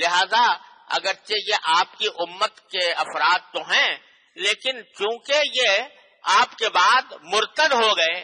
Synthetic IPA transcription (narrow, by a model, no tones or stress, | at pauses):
lɪɦaːza | ɐ̰ɡəɾt͡ʃejeʔaːp̚kiʔʊmːət̪keɐfɾaːd̪̚t̪oɦɛ̃ | leːkɪnt͡ʃũːkeje | aːpkebaːd̪mʊɾt̪əd̪ɦoɡɐeː